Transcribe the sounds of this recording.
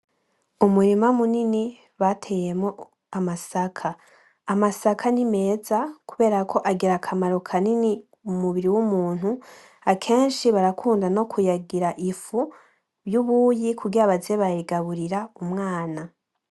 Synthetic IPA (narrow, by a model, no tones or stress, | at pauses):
umuɾimamunini | βatʰe̞je̞mo | amasakʰaː | masakʰanime̞ːzakuβe̞ːɾakʰo̞ʔaɡiɾakʰamaɾo̞kʰanini | umuβiɾiwumuːn̥hu | akʰe̞ːnʃiβaɾakʰuːndano̞kʰujaɡiɾaʔifu | βjuβujikʰuɡiaβazeβaiɡaβuɾiɾaumŋaːna